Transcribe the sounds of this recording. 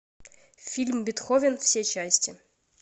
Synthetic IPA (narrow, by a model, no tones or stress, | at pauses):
fʲilʲmbʲɪt̪xovʲɪnfsʲet͡ɕæsʲtʲɪ